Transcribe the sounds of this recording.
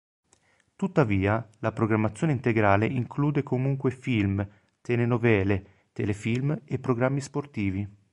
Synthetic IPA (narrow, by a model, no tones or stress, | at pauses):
t̪ut̪ːaviːalapɾoɡɾamːat̪sːjoːneint̪eɡɾaːleiŋkʰluːd̪ekomuŋkwefilm | t̪elenovɛːle | t̪elefilmepːɾoɡɾamːisport̪iːvi